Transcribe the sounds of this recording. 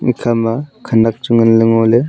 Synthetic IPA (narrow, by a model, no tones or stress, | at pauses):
ŋḭkʰamakʰanak̚t͡ʃuŋɯnlɯŋole